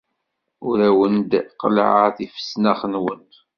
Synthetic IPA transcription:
ʊɾæwənd̪qə̰lʕəθifə̥snæχənwənt̪

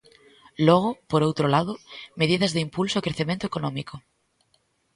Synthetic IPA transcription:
loɣ̞opoɾowt̪ɾolað̞omeð̞iðazðeimpulsoːkɾeθemẽnt̪oe̥konõmiko

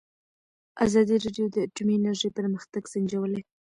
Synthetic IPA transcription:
ʔazɑd̪iɾɑɖjod̪əaʈuminaɾʒəjpəɾməxt̪aɡsand͡ʒawəle

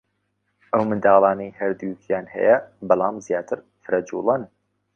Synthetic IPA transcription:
ʔɐwmɨnd̪aːlˠɑːnɐjhɐɾd̪ujkʰjaːnhɛ̰jɐbɑlˠɑːmzjaːt̪ʰɨɾ | fɨɾɐd͡ʒuːlˠɐn

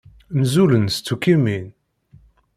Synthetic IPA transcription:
mzulənst͡sːukːimin

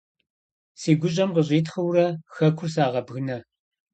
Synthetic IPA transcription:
siːɡʷʊɕ̬ʼɐmqəɕʼiːtχɐwrɐxɐkʷʰʊrsaːʁɐbɣɨnɐ

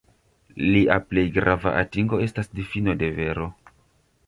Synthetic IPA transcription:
liʔaple̞jɡɾʔava̰ʔatiŋɡo̞e̞stasdifino̞de̞ve̞ɾo̞

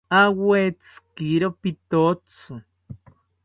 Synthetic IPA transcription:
awet͡skiɾopit̪ot͡su

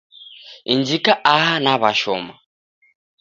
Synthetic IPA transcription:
ind͡ʒikaʔaɦanaβaʃɔ̰ma

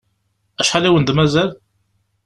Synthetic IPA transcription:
æʃħaliwənd̪mæzæl

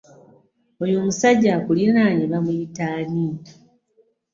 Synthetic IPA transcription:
ojoːmusaɟːakulinaɲiβamuitaːni

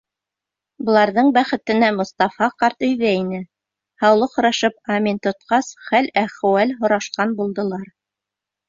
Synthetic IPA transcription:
bŏlˠɑɾðɤɴbæχɘ̆t̪ɘ̆næmŏst̪ɑfɑqɑɾt̪ɵ̆jðæinɘ | hɑwlˠɤqhŏɾɑʃɤpɑmʲint̪ŏt̪̚qɑsχælæχ̆wælɦŏɾɑʃqɑnbulˠd̪ɤ̆lˠɑɾ

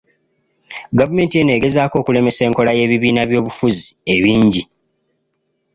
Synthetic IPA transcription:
ɡavume̞ːntije̞ne̞ɡe̞zaːko̞ːkule̞me̞se̞ːŋko̞laje̞ːβiβiːnaβjo̞ːβufuzieβiːɲɟi

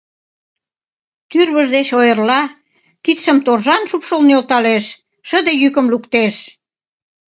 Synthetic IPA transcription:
t̪yrβəʒd̪et͡ɕojərlɑ | kit̪ʃə̆mt̪orʒɑnʃupʃolnolt̪ɑleʃː | əd̪ejykəmlukt̪eʃ

